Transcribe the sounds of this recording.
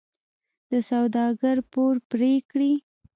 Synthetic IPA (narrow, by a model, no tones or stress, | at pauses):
d̪̥əsawd̪ɑɡaɾpoɾpɾekɽi